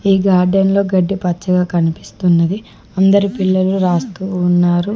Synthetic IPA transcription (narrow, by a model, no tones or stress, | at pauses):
iːɡaːɾɖɐnlo̞ːɡɐɖːipɐt͡ʃːɐɡaːkɐnipi̥st̪unːɐd̪i | ɐnd̪ɐɾipilːɐluɾaːst̪uːnːaːɾu